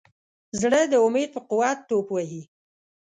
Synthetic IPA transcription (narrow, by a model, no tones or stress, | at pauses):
zɽəd̪əʊmed̪̚pəqʊwat̪ːopwaɦi